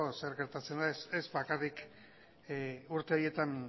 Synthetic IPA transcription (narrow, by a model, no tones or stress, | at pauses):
ose̞ɾɣe̞ɾt̪at͡se̞nd̪aesezβakarik | uɾt̪e̞o̞je̞t̪an